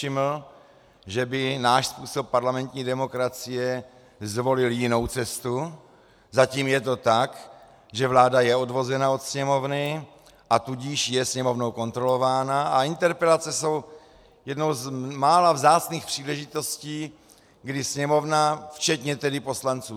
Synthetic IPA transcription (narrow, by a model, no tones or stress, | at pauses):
ʃɪml̩ | ʒɛbɪnaːʃspuːso̞pːaɾlamɛnt̪ɲiːdɛmo̞kɾat͡sɪjɛ | zvo̞lɪljɪno̞wt͡sɛst̪u | zaciːmjɛt̪o̞t̪ak | ʒɛvlaːdajɛo̞dvo̞zɛnao̞t̪sɲɛmo̞vnɪ | ʔat̪uɟiʃjɛsɲɛmo̞vno̞wkont̪ɾo̞lo̞vaːnaʔaɪnt̪ɛɾpɛlat͡sɛso̞w | jɛdno̞wzmaːlavzaːt͡sniːxpr̝̥iːlɛʒɪt̪o̞sciː | ɡdɪsɲɛmo̞vnaft͡ʃɛt̪ɲɛt̪ɛdɪpo̞slant͡suː